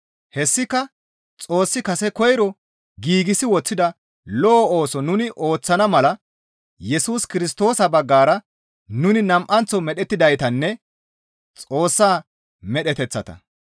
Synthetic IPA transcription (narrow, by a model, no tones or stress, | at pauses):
hɛsːɪkːɐ | t͡sʼo̞ːsːɪkɐsɛkɔjɾɔ | ɡiːɡɪsɪwɔt͡sːɪd̪ɐ | lɔːoːsɔnʊnɪʔo̞ːt͡sːɐnɐmɐlɐ | jɛsuːskɪɾɪs̬t̪o̞ːsɐbɐɡːaːɾɐ | nʊnɪnɐmʔɐnt͡sɔmɛɗɛt̪ːɪd̪ɐjt̪ɐnːɛ | t͡sʼo̞ːsːaː | mɛɗɛt̪ɛt͡sːɐt̪ɐ̰